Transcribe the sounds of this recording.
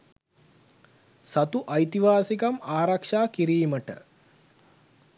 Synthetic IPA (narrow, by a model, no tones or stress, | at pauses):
sat̪uʔɐjt̪iʋaːsikamaːɾakʂaːkiɾiːməʈə̰